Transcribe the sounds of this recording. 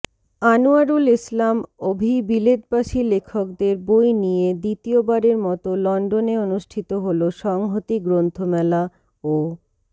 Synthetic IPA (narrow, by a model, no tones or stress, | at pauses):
anuaɾulislamobʱibiled̪̚baʃilekʰok̚d̪eɾbojnijed̪it̪iobaɾeɾmɔt̪olɔɳɖoneonuʃʈʰit̪oɦoloʃɔŋɦot̪iɡɾont̪ʰomɛla | o